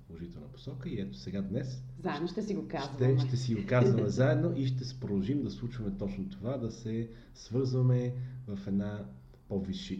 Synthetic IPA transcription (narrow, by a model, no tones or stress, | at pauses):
polˠoʒit̪ɛlˠnəpo̥sɔkəiɛt̪o̥sɛɡad̪nɛszaɛʃd̪noʃt̪ɛsiɡokaʃzt̪ɛʃt̪ɛsiɡokazvɐmɛzaɛd̪noʔiʃt̪ɛsɛ̥pɾod̪ˠɐlˠʒimd̪ɐslˠut͡ʃvɐmɛt̪ɔt͡ʃnot̪ovad̪ɐsɛ | svɤɾzvɐmɛvɐfɛd̪na | pɔviʃi